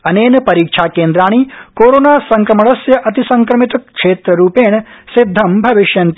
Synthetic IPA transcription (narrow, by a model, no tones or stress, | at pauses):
ɐneːnɐpɐɾiːkʂʰaːkeːnd̪ɾaːɳ̃ikoːɾoːnaːsɐŋkɾɐmɐɽɐsjɐʔɐt̪isɐŋkɾɐmit̪ɐkʂeːt̪ɾɐɾuːpeːɳɐsid̪ʱːɐmbʱɐʋiʃjɐnt̪